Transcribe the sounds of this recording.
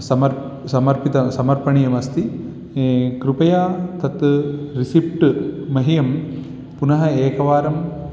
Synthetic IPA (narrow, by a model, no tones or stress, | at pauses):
sɐmɐɾ | sɐmɐɾpit̪ɐsɐmɐɾpɐɳijɐmɐst̪i | kɾupɐjaːt̪ɐt̪ɾisipʈɨːɐɦijɐm | punɐɦɐeːkɐʋaːɾɐm